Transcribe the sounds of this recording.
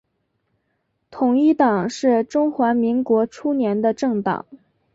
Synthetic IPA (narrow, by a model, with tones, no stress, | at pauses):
t̪ʰʊ˨˩ŋi˥˩t̪ɑ˨˩ŋʂɻ̩˥˩ʈ͡ʂʊ˥ŋxwa˧˥mi˧˥ŋkwɔ˧˥ʈ͡ʂʰu˥njɛ˧˥nd̪ə˧ʈ͡ʂɤ˥˩ŋt̪ɑ̰˨˩˦ŋ